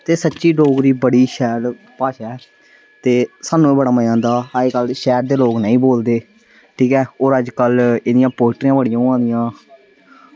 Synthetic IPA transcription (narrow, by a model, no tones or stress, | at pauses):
t̪eːsətːʃiːɖoːɡɾiːbəɽiːʃɛːɾ | paːʃɛː | t̪eːsaːnːũːeːbəɽaːməãːnd̪aːaeːkəlʃɛːɾd̪eːloːknəĩːboːld̪eː | ʈʰiːkɛːoːɾəd͡ʒkəlɪd̪ɪjãːpoːɪʈɾãːbəɽɪjãːãːnd̪ɪjãː